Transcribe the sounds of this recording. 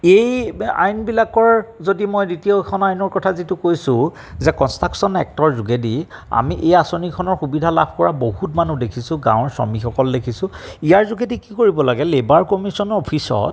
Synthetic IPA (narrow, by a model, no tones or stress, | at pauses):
eja̰jnbilakɔɹzodimojditiokʰɔnajnɔɹkɔtʰazitʊkojsʊ̃ | zɛkɔnstaksɔnɛ̰k̚tɔɹzuɡedia̰miʔejasonikʰɔnɔɹxubidʱala̰b̚ʰʱkɔɹabohutmanudekʰisʊ̃ɡã̰w̃ɹsɔ̰mixɔkɔldekʰisʊ̃ijaɹzuɡedikikoɹibɔlaɡɛlebaɹkɔmisɔnɔɔpʰisɔ̰t